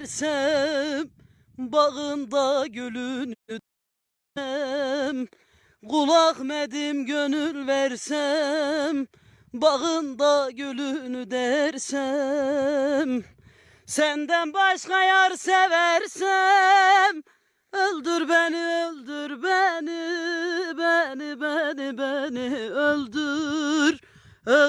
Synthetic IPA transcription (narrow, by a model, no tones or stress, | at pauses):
ɾsɛ | m | bɑʁɨnd̪ɑɡʲølyn | ɛm | ʁʊlˠɑqmɛd̪ɪmɡʲønylvæɾsɛ | m | bɑʁɨnd̪ɑɡʲølynyd̪ɛɾsɛ | m | sɛnd̪ɛnbɑʃqɑjɑɾsɛvæɾsɛ | m | øld̪yɾbɛnɪøld̪yɾbɛnɪ | bɛnɪbɛnɪbɛnɪøld̪yɾ